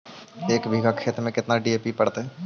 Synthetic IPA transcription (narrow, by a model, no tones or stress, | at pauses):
eːkbʱiɡakʰeːt̪ɾəmẽkɪt̪naɖieːpipəɽt̪eɦɛː